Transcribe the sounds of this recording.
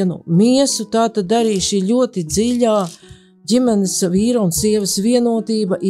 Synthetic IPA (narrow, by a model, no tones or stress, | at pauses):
nṵmʲiɛsut̪aːt̪ad̪̚ːaɾiːʃiːʎʲuɔt̪id̪ziʎʲaː | ɟimɛnɪsviːɾaunsiɛvɪsviɛnuɔt̪iːbɐʔi